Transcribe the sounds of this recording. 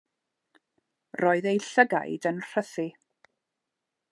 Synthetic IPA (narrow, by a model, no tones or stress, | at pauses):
rɔːɨðejɬəɡa̰jdənr̥əθi